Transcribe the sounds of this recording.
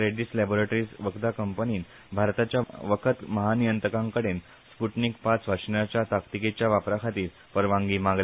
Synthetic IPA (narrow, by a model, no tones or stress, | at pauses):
ɾeɖislɛboɾeʈɾiːsʋəkd̪akəmpəniːn | bʱaɾt̪at͡ɕjaʋəkʰət̪məɦanijənt̪ɾəkãŋkəɽen | spuʈnikpat͡sʋaʂinjat͡ɕjat̪akt̪iket͡ɕjaʋapɾakʰat̪iːɾ | pəɾʋãŋɡiːmãɡl